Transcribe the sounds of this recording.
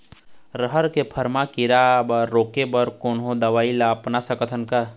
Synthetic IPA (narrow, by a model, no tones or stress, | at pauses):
ɾəɦəɾkepʰəɾmakiɾabəɾːoːkebəɾkoːnɦõd̪ɐʋaːilapnasəkət̪ʰənka